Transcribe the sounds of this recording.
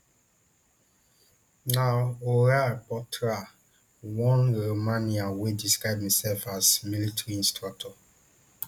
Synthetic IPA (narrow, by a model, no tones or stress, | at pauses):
naoɾapɔtʰɹa | wɔ̃nɹomaniawediskɹaɪb̚misɛlfazmilitɹiĩnstʰɹak̚tʰɔ